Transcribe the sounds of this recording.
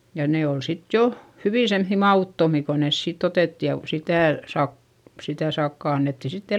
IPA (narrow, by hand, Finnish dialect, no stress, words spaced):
jɑ neː ol sit jo hyʋiˑ semθːi mɑuˑtːomi ko nes siːt oteˑtːi jɑ ʋ sitæˑ sɑk sitæ sɑkːɑ ɑnːetːi sitː